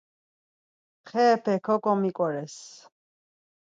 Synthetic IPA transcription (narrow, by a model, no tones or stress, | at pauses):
χɛːpʰɛkʰɔkʼɔmikʼɔɾɛs